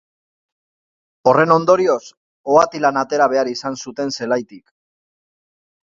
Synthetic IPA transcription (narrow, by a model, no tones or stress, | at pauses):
o̞re̞no̞nd̪o̞ɾio̞s | oat̪ilanat̪e̞ɾaβ̞e̞aɾisansut̪e̞nse̞lajt̪ik